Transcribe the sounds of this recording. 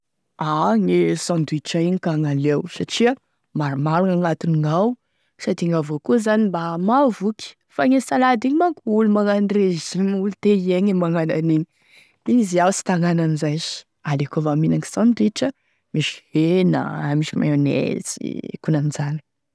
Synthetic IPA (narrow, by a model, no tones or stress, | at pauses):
aŋesãnd̪uiʈ͡ʂaiɲikaŋalewsaʈ͡ʂia | maɾimaɾuŋaŋat̪uniŋaw | sat̪iŋavokuzanimbamavuki̥ | faŋesalad̪iɲimakuulumaŋanreziulut̪eieŋemaŋananiɲi | iniziawsi̥t̪aŋananizajz̥ | alekovaminaŋi̥sãnd̪uiʈ͡ʂə | miʃi̥hena̰miʃima̰onḛt͡sḭkunand͡zani̥